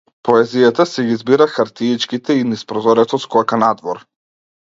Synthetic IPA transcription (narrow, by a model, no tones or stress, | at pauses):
pɔɛzijat̪asɛɡizbiɾaxaɾt̪iit͡ʃkit̪ɛinispɾɔzɔɾɛt̪ɔskɔakanad̪vɔɾ